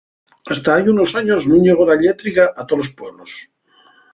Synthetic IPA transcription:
ast̪aajunosaɲosznũɲeɣ̞olaʎet̪ɾikaʔat̪olospweβlos

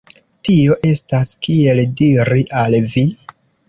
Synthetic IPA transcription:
tio̞ʔe̞staskie̞ldiɾiʔalvi

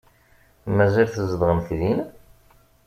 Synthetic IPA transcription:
mæzilθəzəd̪ʁəmfðin

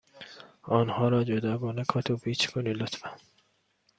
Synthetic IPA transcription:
ɒːnhɒːɾɒːd͡ʒod̪ɒːɡɒːnekʰɒːt̪ʰopʰiːt͡ʃʰkʰoniːlot̪fæn

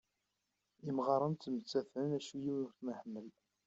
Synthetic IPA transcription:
imʁɑɾˤənt̪ːmət͡sːæθənæʃujiwnʊɾθməħmːəl

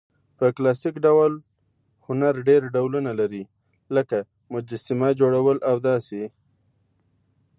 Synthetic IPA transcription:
pəklɑsikɖawl | hʊnaɾɖeɾɖawlunalaɾi | ləka | mʊd͡ʒasɪmad͡ʒoɽawəlawd̪ɑse

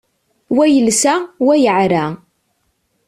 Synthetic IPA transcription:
wæjəlsæwæjəʕɾæ

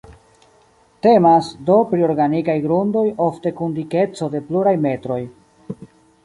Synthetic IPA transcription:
te̞masdo̞pɾio̞ɾɡanikajɡɾundo̞jo̞fte̞kundike̞t͡so̞de̞pluɾajme̞tɾo̞j

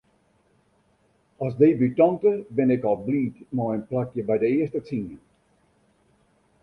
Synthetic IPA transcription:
ɔsdejbytɔŋtəbɪnɛkɔlˠbliːtmɔənplakjəbɛjdəɪəstət͡sinən

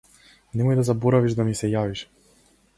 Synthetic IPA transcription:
nɛmɔjd̪azabɔɾaviʃd̪amisɛjaviʃ

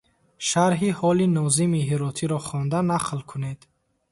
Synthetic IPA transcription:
ʃaɾɦihɔlinɔzimiɦiɾɔt̪ʰiɾɔχɔnd̪anaqʰlkʰuned̪̥

